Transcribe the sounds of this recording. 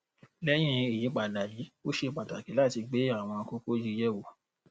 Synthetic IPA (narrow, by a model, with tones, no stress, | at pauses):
lɛ˦j̃ĩ˦e˨jĩ˨˦k͡pa˨la˨ji˨˦o˦ʃe˧k͡pa˨ta˨ki˨˦la˦˨ti˧ɡ͡be˨˦a˦˨w̃ɔ̃˧ko˦ko˦d͡ʒi˦˧jɛ˦˨wo˨